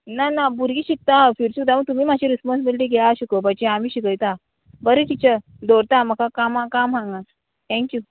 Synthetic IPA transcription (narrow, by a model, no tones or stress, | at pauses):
nanabuɾɡiːɕik̚t̪afiɾsud̪amət̪umiːmad͡ʑiɾisməsbilʈiːɡʱɛaɕikəbət͡ɕeamiːɕikəjt̪a | bəɾet̪it͡ɕə | d̪oɾt̪aməkakamãkamɦãŋɡa | t̪ʰɛ̃ŋkju